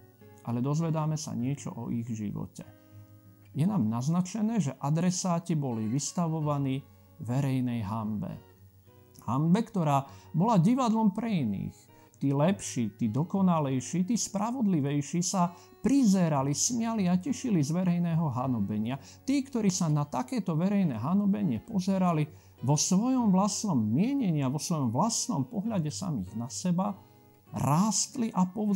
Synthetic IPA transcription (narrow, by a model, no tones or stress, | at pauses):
ʔalɛd̪ɔzʋɛd̪aːmɛsa̰ɲɪɛt͡ʃɔ̰ʔɔ̰ʔiɣʒḭʋɔ̰cɛ | jɛnaːmnaznat͡ʃɛnɛːʒɛʔad̪ɾɛsaːcibɔliʋist̪aʋɔʋaniː | ʋɛɾɛjnɛjɦambɛ̰ | hambɛkt̪ɔɾaːbɔlaɟiʋad̪lɔmpɾɛinḭːx | t̪iːlɛpʃiːt̪iːd̪ɔkɔnalɛjʃiːt̪iːspɾaʋɔd̪liʋɛjʃisa | pɾizɛɾalismɪaliacɛʃilizʋɛɾɛjnɛːɦɔɦanɔbɛɲɪa | t̪iːkt̪ɔɾiːsanat̪akɛːt̪ɔʋɛɾɛjnɛɦanɔbɛɲɪɛpɔzɛɾali | ʋɔsʋɔjɔmvlasnɔmːɪɛɲɛɲɪaʋɔsʋɔjɔmvlasnɔ̰mpɔɦʎaɟɛsa̰mḭːɣnasɛba | ɾaːst̪liʔapɔ